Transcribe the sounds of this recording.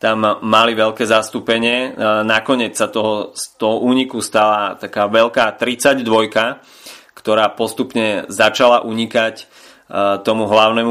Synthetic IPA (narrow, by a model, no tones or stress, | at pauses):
t̪amːaliʋɛlkɛːzast̪upɛɲɪɛnakɔɲɪɛt͡ssat̪ɔɦɔst̪ɔɦɔʔuːɲikust̪alat̪akaːʋɛʎkaːt̪ɾit͡saɟd̪ʋɔjka | kt̪ɔɾaːpɔst̪upɲɛzat͡ʃalaʔuɲikac | t̪ɔmuɦlaʊnɛmu